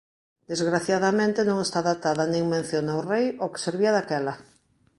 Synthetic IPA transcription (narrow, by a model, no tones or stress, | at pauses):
d̪ezɣɾaθjaðamẽnt̪enõŋest̪aðat̪aðɐnẽŋmẽn̟θjonaorejokɪ̥seɾβ̞iɐðakɛlɐ